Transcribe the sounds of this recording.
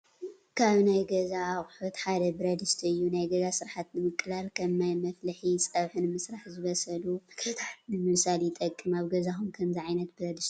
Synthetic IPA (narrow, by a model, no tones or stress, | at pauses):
kʰaβnajɡɐzaːχʼħot̪ħad̪ɐbɨɾɐd̪ɨst̪ʰɨjːunajɡɐzasɨɾħat̪nɨmɨkʼːɨlalkʰɐmːajmɐflɐħisʼɐβħɨnɨmɨsɾaħzɨβɐsɐlukʰɐt̪ʰaħnɨmɨsaljɪt̪ʼɐkʼːɨmaβɡɐzaxumkʰɐmziʕajnɐt̪̚bɨɾɐd̪ɨst̪